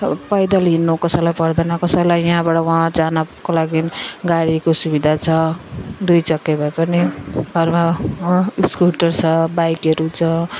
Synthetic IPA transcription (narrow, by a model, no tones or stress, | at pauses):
pʌjd̪ʌlɦinːokʌsʌlajpʌrd̪ʌnʌkʌsʌjlajɦãbaɽʌw̃ãd͡zanakolaɡiɡaɽikosubid̪ʱat͡sʰʌd̪ujt͡sʌkːebʱʌpʌniɡʱʌrmaãiskuʈʌrt͡sʰʌbajkʌɾut͡sʰʌ